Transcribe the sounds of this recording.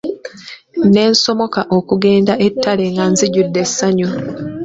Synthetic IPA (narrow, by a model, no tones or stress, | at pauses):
ne̞ːnso̞mo̞kaʔo̞kuɡe̞ːndaʔe̞tːale̞ŋɡanziɟudːe̞sːaɲu